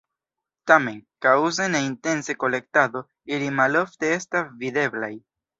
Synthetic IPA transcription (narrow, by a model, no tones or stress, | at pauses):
tame̞nkawzeneinte̞nse̞ko̞le̞k̚tado̞ | ilimalo̞fte̞e̞stasvide̞blaj